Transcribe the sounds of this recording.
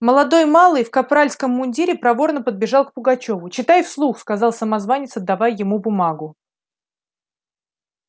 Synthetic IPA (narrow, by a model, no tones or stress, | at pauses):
məlˠɐd̪o̞jmalˠɨjfkɐpɾalʲskəmːʊnʲdʲiɾʲɪpɾɐvo̞rnəpəd̪̚bʲɪʐɑlˠk̚pʊɡɐt͡ɕo̞vʊt͡ɕɪt̪ajfslˠuxskɐzɑlˠsəmɐzvanʲɪsəd̪ːɐvajːɪmubʊmaɡʊ